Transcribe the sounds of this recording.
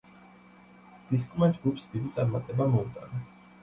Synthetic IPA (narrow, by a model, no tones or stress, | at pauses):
d̪̥iskʼumand̪d͡ʒɡupʰsd̪id̪it̪sʼaɾmat̪ʼɛbamɔut̪ʼa̰na